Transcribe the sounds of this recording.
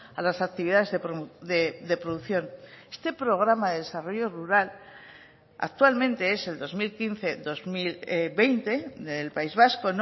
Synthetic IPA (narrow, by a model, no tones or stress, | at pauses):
alasak̚t̪iβiðaðe̞zðepɾd̪ed̪e̞pɾoðuθjo̞ne̞̥st̪e̞pɾo̞ɣ̞ɾamaðe̞ðe̞saro̞ʝo̞ruɾal | a̰k̚t̪walmẽ̞nt̪e̞e̞se̞ld̪o̞zmilkinθe̞ðo̞zmilbe̞jnt̪e̞ðelpaizβ̞asko̞n